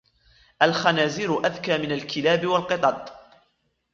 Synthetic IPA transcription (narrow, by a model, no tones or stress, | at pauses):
ʔalxanaːziɾʊʔaðkaːmɪnalkɪlaːbɪwalqɨt̪ˤɑd̪̚ˤ